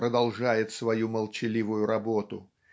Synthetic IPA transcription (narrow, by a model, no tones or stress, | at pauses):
ɾəd̪ɐlˠʐajɪt̪svɐjuməlˠt͡ɕɪlʲivʊjʊɾɐbot̪ʊ